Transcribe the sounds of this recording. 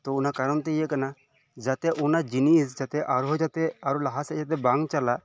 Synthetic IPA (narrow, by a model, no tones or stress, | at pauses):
t̪ɔunakaɾɔnt̪ɛijəʔkana | d͡ʒat̪ɛʔunad͡ʒinisd͡ʒat̪ɛʔaɾɦɔd͡ʒat̪ɛaɾulaɦasɛd͡ʒat̪̬ɛbaŋt͡ʃalaʔ